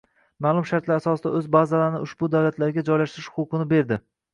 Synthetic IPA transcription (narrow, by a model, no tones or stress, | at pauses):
malˠʊmʃaɾt̪laɾasɒsɪd̪a̰ɵzbazalaɾɪnɪʊʃb̥ʊd̪awlat̪ʰlaɾɡʲad͡ʒɒjlaʃt̪ɪɾɪʃhʊqɨnɪbe̞ɾd̪ɪ